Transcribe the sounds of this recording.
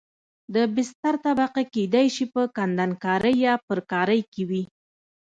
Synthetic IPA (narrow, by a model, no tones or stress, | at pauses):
d̪əbɪst̪aɾt̪abaqaked̪ajʃipəkand̪ankɑɾəjːɑpəɾkɑɾəjkewi